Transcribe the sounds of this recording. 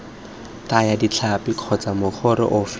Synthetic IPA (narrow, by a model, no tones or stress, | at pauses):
tajadit͡ɬʰapikʰɔt͡samʊk͡xʰʊɾɪ̰ʔʊf